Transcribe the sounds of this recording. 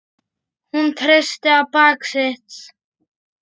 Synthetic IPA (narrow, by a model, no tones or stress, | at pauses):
hunt̪ʰɾest̪eapaːkset͡s